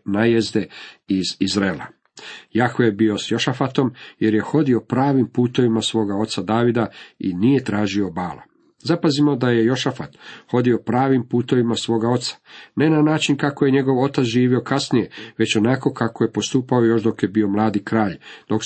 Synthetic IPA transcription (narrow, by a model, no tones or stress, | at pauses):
najezd̪e̞izizɾeːla̰ | jaxʋejebio̞sjo̞ʃafat̪o̞mje̞ɾje̞xo̞d̪io̞pɾaːʋimpuːt̪o̞ʋimasʋo̞ːɡao̞t̪sad̪aːʋid̪aḭnije̞t̪ɾaːʒio̞baːlo̰ | zapazimo̞d̪aje̞jo̞ʃafat̪xo̞d̪io̞pɾaːʋimpuːt̪o̞ʋimasʋo̞ːɡao̞t̪sḁne̞nanaːt͡ʃinkakoje̞ɲe̞ɡo̞ʋo̞t̪at̪sʒiːʋio̞kasnije̞ʋe̞t͡ɕo̞nako̞kako̞je̞po̞st̪uːpao̞jo̞ʃd̪o̞kje̞bio̞mlˠaːd̪ikɾaːʎd̪̥o̞k